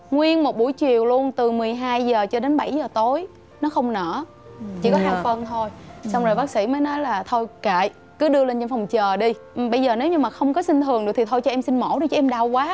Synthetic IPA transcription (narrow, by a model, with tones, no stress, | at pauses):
ŋwi˧ənmo˨˩t̚ɓu˧˩jt͡ɕi˨˩əwlu˧ənt̪ɨ˨˩mɨ˨˩əjɦaː˧jzəː˨˩t͡ɕɔ˧ɗe˨˦nɓa˧˩jzəː˨˩t̪o˨˦j | nɔ˨˦xə˧wŋ͡mnə̰ː˧˩ | t͡ɕḭ˧˩kɔ˨˦haː˨˩fə˧nt̪ʰo˧jsa˧wŋ͡mzo˨˩jɓaː˦˥k̚sḭ˧˥məː˨˦jnɔ˨˦jlaː˨˩t̪ʰo˧jka̰ː˧˨j | kɨ˨˦ɗɨ˧əle˧nt͡ɕnfɔ˨˩wŋ͡mt͡ɕəː˨˩ɗi˧ʔɓə˧jzəː˨˩ne˨˦wɲɨ˧ŋmaː˨˩xə˧wŋ͡mkɔ˨˦si˧ŋ̟t̪ʰɨ˨˩əŋɗɨ˨˩t̪i˨˩t̪ʰo˧jt͡ɕɔ˧ʔɛ˧msi˧nmo̰˧˩ɗɨ˧˩t͡ɕɔ˧ʔɛ˧mɗaː˧wkwaː˨˦